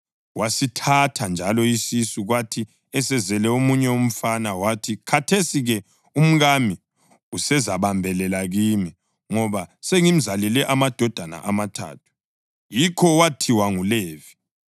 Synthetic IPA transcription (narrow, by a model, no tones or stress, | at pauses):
wasitʰatʰand͡ʒʱalɔisisuɣwatʰi | ɛsɛzɛlɛomuɲɛom̩fanawatʰikʰatʰesiɣɛ | um̩ɣami | usɛzaβambʱɛlɛlaɣimi | ŋɔβaseŋim̩zalɛlɛʔamad̥ʱɔd̥ʱana̰ʔamatʰa̰ːtʰu̥ | jikʰɔwatʰiwaŋuleːvi̥